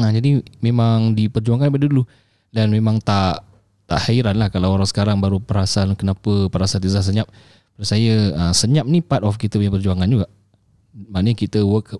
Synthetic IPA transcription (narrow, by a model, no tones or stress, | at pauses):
ad͡ʒadimẽmaŋdipərd͡ʒuaŋanip̬adədulu | danmemãŋt̪aʔ | t̪a̰ʔhaiɾanlahkalawoɾawsə̥kaɾaŋbaɾupəɾasalkənapəpəɾasalt̪izas̬əɲap̚ | bɾusajəəsəɲap̚nipat̪̚ɔfkit̪əpəɲəpərd͡ʒuaŋand͡ʒuɡaʔ | maʔnəɲkit̪əwəkʰəp̚